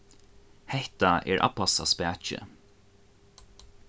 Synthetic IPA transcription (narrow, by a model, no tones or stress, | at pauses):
hɛht̪aɛ̰ːɹʔa̰pasa̰spæːt͡ʃɪ̰